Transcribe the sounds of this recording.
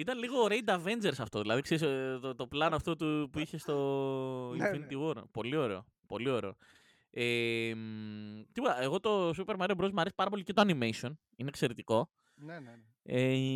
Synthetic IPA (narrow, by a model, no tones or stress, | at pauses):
it̪ɐnliɣo̞ɾejd̪ɐve̞nd͡ʒe̞ɾsɐft̪o̞ðilɐðikseɾist̪ot̪o̞plɐnɐft̪o̞t̪upuiçe̞st̪o̞ | fint̪ioɾpo̞lio̞ɾe̞̰o̞̰ | po̞lio̞ɾe̞o̞̰ | emt̪ipuɐe̞ɣo̞t̪o̞supe̞ɾmɐɾeobɾozmɐɾesi̥pɐɾɐp̬o̞licet̪oɐnimesio̞n | inekse̞ɾet̪iko̞ | e